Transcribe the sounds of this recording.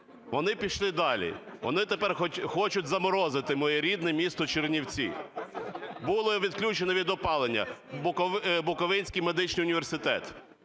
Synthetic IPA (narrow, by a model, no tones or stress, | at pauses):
ʋɔnɪpʲiʃlˠɪd̪ɑlʲḭʋɔ̰nɪt̪epɛrxɔt͡ʃʊtʲzɐmɔɾɔzɪt̪ɪmɔjɛɾʲid̪nɛmʲist̪ɔt͡ʃernʲiwt͡sʲḭ | bulˠɔʋʲid̪klʲut͡ʃenɛʋʲid̪ɔpɑlˠenʲːɐ̰bʊkɔbʊkɔʋɪnʲsʲkijmed̪ɪt͡ʃnijʊnʲiʋʲersɪt̪ɛ̰t̪